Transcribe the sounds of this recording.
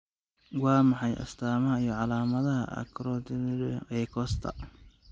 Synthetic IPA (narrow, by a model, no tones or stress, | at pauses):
wɑːmɑħɑjʔɐ̰st̪ʰaːmɐɦɐijɔʕɑlaːmɐðɐɦɐ̰ʔɐ̰kʰɾɔt̪ʰɪnɾɛkʰɔst̪ʰɐ̰